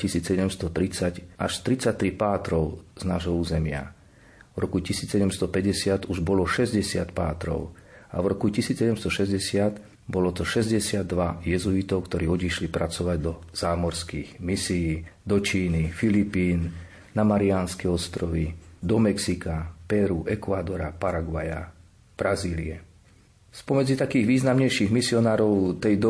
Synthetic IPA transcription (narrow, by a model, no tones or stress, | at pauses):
cisiːt͡ssɛɟɛmst̪ɔt̪ɾit͡saɟʔaʃt̪ɾit͡sac̚t̪ɾipaːt̪ɾɔʊz̥naːʒɦɔuːzɛmɪa̰ | vɾɔkucisiːt͡ssɛɟɛmst̪ɔpɛɟɛsɪat̪uʒbɔlɔʃɛzɟɛsɪat̪paːt̪ɾɔ̰ʊa̰vɾɔkucisiːt͡ssɛɟɛmst̪ɔʃɛzɟɛsɪat̪ | bɔlɔt̪ɔʃɛzɟɛsɪad̪ːʋajɛzuit̪ɔʊkt̪ɔɾiːɔdiʃlipɾat͡sɔʋaɟd̪ɔz̥aːmɔɾskiːɣmisijiːd̪ɔt͡ʃiːnifilipiːn | namaɾianskɛɔst̪ɾɔʋid̪ɔmɛksikapɛɾuʔɛkʋad̪ɔɾa̰paɾaɡʋaja̰ | b̥ɾaziːlḭɛ | spɔmɛd͡zit̪akiːɣʋiːznamɲɛjʃiːɣmisiɔnaːɾɔʊt̪ɛjd̪ɔ